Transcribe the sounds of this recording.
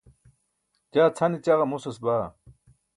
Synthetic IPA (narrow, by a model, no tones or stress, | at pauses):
t͡ɕaːt͡sʰɐnit͡ɕaɣɐmusɐsbaː